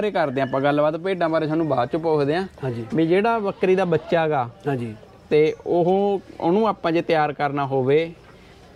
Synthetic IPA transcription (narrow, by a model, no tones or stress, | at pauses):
ɾeːkəɾd̪eːãːpãːɡəlbaːd̪peːɖãːbaːɾeːaːnũːbaːt͡ʃʊpːoːd̪eːãːãd͡ʒimĩːd͡ʒeːɽaːʋəkɾiːd̪aːbətːʃaːɡaːd͡ʒi | t̪eːoɦõːʊnũːaːpãːd͡ʒeːt̪jaːɾkəɾnaːɦoːʋeː